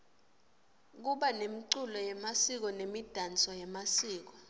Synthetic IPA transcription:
k̬uɓanemiǀulɔjɛmasik̬ɔnemid̥ʱant͡sʼɔjɛmasiːk̬ɔ

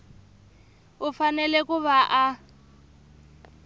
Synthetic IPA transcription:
ufanɛlɛkuβaʔa

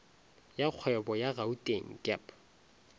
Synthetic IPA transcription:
jak͡xʰwɛbɔjaɣautʼeŋ̩kʼɛ̰pʰ

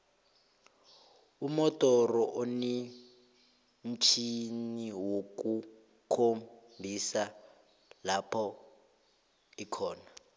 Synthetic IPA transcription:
umɔtʼɔrɔʔoni | m̩t͡ʃʰiniwok̬ʼu | kʰo | bʱisa | lapʰɔ | ikʰɔːna

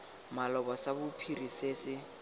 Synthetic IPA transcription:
malɔbɔsabʊpʰiriseːsɪ

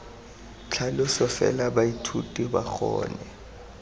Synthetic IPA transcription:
t͡ɬʰalʊsɔfɛ̰labaitʰutʼiba̰k͡xɔ̰ːnɛ

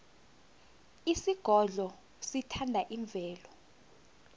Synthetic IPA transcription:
isiɡ̥ʱɔɮɔ | sitʰandʱaʔiɱb̪vʱɛːlɔ

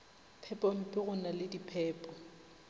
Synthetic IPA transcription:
pʰɛpʼɔm̩pʼɪɣʊnalɪdipʰɛːpʼɔ

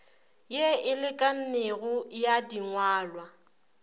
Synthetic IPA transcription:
jeɪlɪkʼan̩neɣʊjadiŋwaːlwa

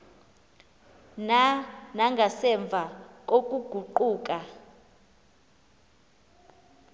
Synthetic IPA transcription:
nanaŋɡʱasɛɱb̪vʱak̬ʼok̬ʼuɡ̥ʱuǃuːk̬ʼa

